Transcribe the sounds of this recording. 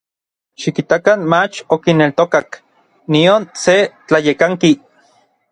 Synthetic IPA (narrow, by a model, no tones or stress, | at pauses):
ʃikit̪akanmat͡ʃokinelt̪okak | nionset͡ɬajekaŋki